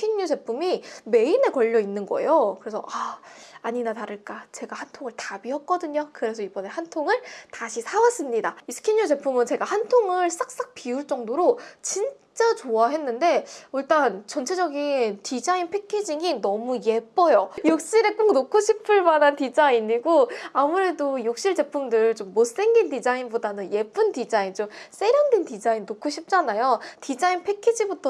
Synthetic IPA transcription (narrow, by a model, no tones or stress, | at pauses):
kʰiɲːud͡ʑe̞pʰumime̞ine̞kʌʎːʌinːɯnɡʌe̞̰jokɯɾe̞sʰʌ̰ʔaaɲinataɾɯɭk͈at͡ɕe̞ɡahantʰoŋɯɭtabiʌk̚k͈ʌdɯɲokɯɾe̞sʰʌibʌne̞hantʰoŋɯɭtaɕʰisʰawas͈ɯmɲidaisʰɯ̥kʰiɲːud͡ʑe̞pʰumɯnt͡ɕe̞ɡahantʰoŋɯɭs͈ak̚s͈ak̚piuɭt͡ɕ͈ʌŋdoɾot͡ɕin | t͡ɕ͈at͡ɕoaɦe̞nːɯnde̞uɭt͈ant͡ɕʌnt͡ɕʰe̞d͡ʑʌɡintid͡ʑainpʰe̞kʰed͡ʑiŋinʌmuje̞p͈ʌjojok̚ɕ͈iɾe̞k͈ok̚nokʰoɕʰipʰɯɭmanantid͡ʑainiɡoamuɾe̞dojok̚ɕ͈iɭd͡ʑe̞pʰumdɯɭt͡ɕomːos͈e̞ŋɡindid͡ʑainbodanɯnje̞p͈ʰɯndid͡ʑaint͡ɕoms͈e̞ɾjʌndwentid͡ʑainːokʰoɕʰip̚t͡ɕ͈anajotid͡ʑainpʰe̞kʰed͡ʑibutʰʌ